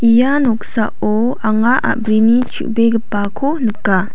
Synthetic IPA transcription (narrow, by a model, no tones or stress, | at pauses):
ʔijanoksa̰ʔo | aŋaʔa̰ʔbɾinit͡ʃʰṵʔbeɡəpakʰonəkːa